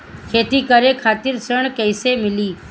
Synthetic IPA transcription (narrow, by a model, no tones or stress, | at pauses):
kʰeːt̪ikəɾekʰaːt̪ɪɾsəɳ̃kəɪsemɪliː